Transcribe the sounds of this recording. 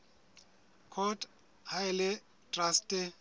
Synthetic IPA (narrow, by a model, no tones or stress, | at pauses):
kʰɔtʰʼ | haɪlɪ | tʼrastʼɛ